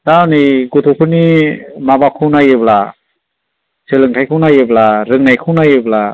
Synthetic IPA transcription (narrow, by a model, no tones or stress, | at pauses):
danijɡotʰupʰɯnimabakʰɯwnajɯbla | sɯlɯŋtʰajkʰɯwnajɯblaɾɯŋnajkʰɯwnajɯbla